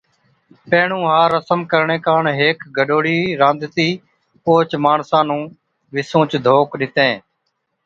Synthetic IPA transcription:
peːɳũːɦaːɾəsəmkəɾɳẽːkaːɳɦeːkɡʱəɗoːɽiːɾãːnd̪t̪iː | poːt͡ʃmaːɳsãːnũː | ʋɪsõːt͡ʃd̪ʱoːkɗɪt̪ẽː

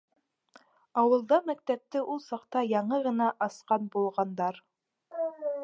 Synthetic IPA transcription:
ɑwɤ̆lˠd̪ɑmæk̚t̪æp̚t̪ɘʔulˠsɑqt̪ɑjɑɴɤʁɤ̆nɑʔɑsqɑnbulˠʁɑnd̪ɑɾ

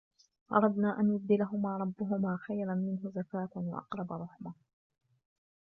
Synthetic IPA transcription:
ʔɑ̰ɾˤɑd̪naːʔanjʊb̚d̪ɪlaɦʊmaːɾˤɑbːʊɦʊmaːxajɾanmɪnɦʊzakaːt̪nwa̰ʔɑ̰qɾˤɑbaɾˤʊħma

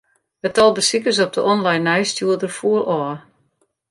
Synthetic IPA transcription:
ɛtɔlˠbəsikəs̬ɔp̚dəʔɔnlajnːɛjstjuədərfuəlɔ

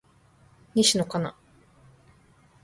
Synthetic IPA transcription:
ɲʲiɕinokana̰

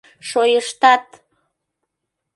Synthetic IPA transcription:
ʃojəʃt̪ɑt̪

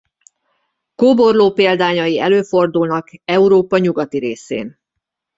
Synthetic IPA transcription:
koːbo̞rloːpeːld̪aːɲɒjiɛløːfo̞rd̪ulnɒkɛuɾoːpɒɲuɡɒt̪iɾeːsḛːn

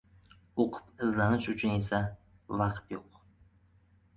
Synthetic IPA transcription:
oqʰɨ̥pɪzlanɪʃʊt͡ʃʰʊnesa | vɑqt̪joq

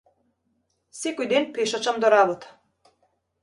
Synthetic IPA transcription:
sekojd̪enpeʃat͡ʃamd̪oɾabot̪ḁ

